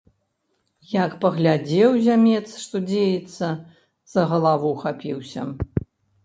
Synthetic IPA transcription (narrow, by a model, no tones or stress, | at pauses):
jakpɐɣlʲad͡zʲɛwzʲamʲɛt̪sʂt̪ɔd͡zʲejɛt̪sːɐ | z̥ɐɣɐlˠavuxapʲiwsʲɐ̰